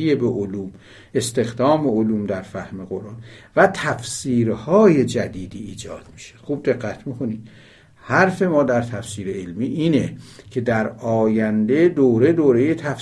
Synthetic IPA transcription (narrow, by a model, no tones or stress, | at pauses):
ijebeʔoluːm | e̞st̪e̞xd̪ɒːme̞oluːmd̪æɾfæhme̞ɣo̞ɾʔɑːnvæt̪ʰæfsiːɾhɒːje̞d͡ʒæd̪iːd̪iːd͡ʒɒ̰ːd̪̥mi̥ʃe̥xuːb̚d̪e̞ɢːæt̪ʰmikʰo̞nid̪ | hæɾfe̞mɒːd̪æɾt̪ʰæfsiːɾeelmiːʔiːnecʰe̞d̪æɾɒːjænd̪e̞d̪oːɾe̞d̪oːɾe̞jet̪ʰæf